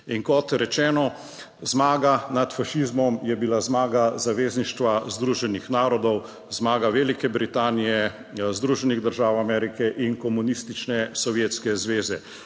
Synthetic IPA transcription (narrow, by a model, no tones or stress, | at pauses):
iŋkɔt̪ɾɛt͡ʃɛːnɔ | zmaːɡanat̪faʃizmɔmjɛbilazmaːɡazaʋeːzniʃt̪ʋazd̪ɾuːʒɛnixnaːɾɔd̪ɔw | zmaːɡaʋeːlikɛbɾit̪aːnijɛ | zd̪ɾuːʒɛniɣd̪əɾʒaːwamɛːɾikɛʔinkɔmunist̪it͡ʃnɛsɔʋjeːt̪skɛzʋeːzɛ